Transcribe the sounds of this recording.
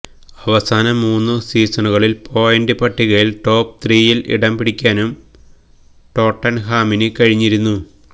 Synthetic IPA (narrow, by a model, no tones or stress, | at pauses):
ɐʋɐsaːnɐmuːnːɨsiːsɐnuɣɐɭilpʰo̞ːjendɨpɐʈːiɣɐɭilʈo̞ːp̚t̪riːjilʔḭɽɐmpiɽikʲːaːnum | ʈo̞ːʈːɐnɦaːminɨkɐɻiɲːiɾunːu